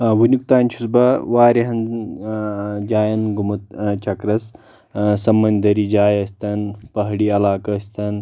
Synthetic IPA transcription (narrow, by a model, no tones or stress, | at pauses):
ʋunuk̚t̪aːnʲt͡ʃʰusbɐʋaːɾɐɦɐn | d͡ʒaːjɐnɡumɐt̪t͡ʃʰɐkɾɐs | sɐmːɐnd̪ɐɾiːd͡ʒaːjɐst̪ɐnpɐɦɽiːɐlaːkɐst̪ɐn